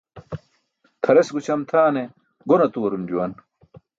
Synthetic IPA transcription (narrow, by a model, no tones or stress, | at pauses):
t̪ʰɐɾesɡut͡ɕʰɐmt̪ʰaːne | ɡonɐt̪uwɐɾumd͡ʑuwɐn